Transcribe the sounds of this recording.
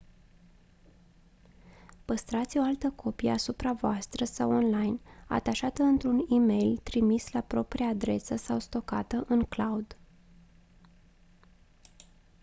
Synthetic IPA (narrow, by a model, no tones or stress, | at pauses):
pəst̪ɾat̪sʲo̞alt̪əkʰo̞pijəasupɾavoast̪ɾəsawonlajna̰t̪aʃat̪əɨnt̪ɾunime̞jlt̪ɾimislapɾo̞pɾiaːd̪ɾe̞səsawst̪o̞ka̰t̪əʔɨŋklaud̪